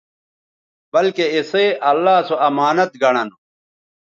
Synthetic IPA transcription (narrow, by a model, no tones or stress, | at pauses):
bɐlkeiseʔɐlːaːsoɐmaːnɐt̪ɡɐɽ̃ɐn